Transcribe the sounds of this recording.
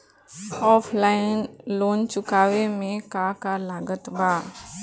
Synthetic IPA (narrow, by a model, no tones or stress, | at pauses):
ɔːpʰlaːɪnloːnt͡ʃʊkaːʋemẽkakalaːɡət̪baː